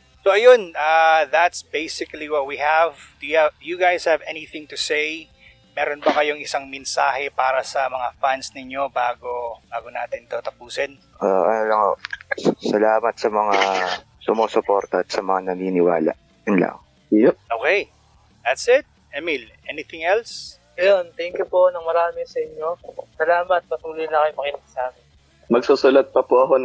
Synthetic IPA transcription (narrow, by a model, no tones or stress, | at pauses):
soʔɐjonɐðɐt̪sbejsɪkɐliwɐt̪̚wiɦævd̪̥ʊjajuɡajz̥hɐvɛniθɪ̃ŋt̪usej | mɛːɾonbɐkɐjoŋɪsaŋmɛnsaːhɛpaːɾɐsɐmɐŋafansnɪɲo̞baːɡo̞baːɡo̞naːt̪ɪnt̪oːt̪ɐpuːsɛn | ʔoʔɐnolɐŋo̰sɐlaːmɐt̪̚sɐmɐŋa | sʊmoːsʊpo̞ːɾt̪ɐɐt̪̚sɐmɐŋanɐniːnɪwaːlɐ̰ʔ | jʊnlɐ̰ŋ | joʔoːkɛj | d̪ɐt̪sɪt̪̚ʔɛmilʔɛnɪt̪ɪŋɛls | ɐjont̪ɛŋkjʊponɐŋmɐɾaːmɛsɐʔɪɲːo̞sɐlaːmɐt̪̚pɐt̪uːlɪjnɐkɐjʊmɐkinɐsaːmɪn | mɐɡ̚suːsʊlɐt̪̚pɐpoʔɐko